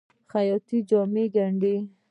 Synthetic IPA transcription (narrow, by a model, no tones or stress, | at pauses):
xajɔt̪id͡ʒɔmeɡaɳɖe